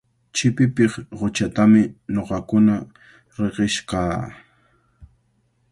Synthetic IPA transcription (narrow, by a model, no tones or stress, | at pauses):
t͡ʃɪpɪpɪχɢot͡ʃat̪amɪɲoqɑkʊna | ɾeɢɪʃqɑː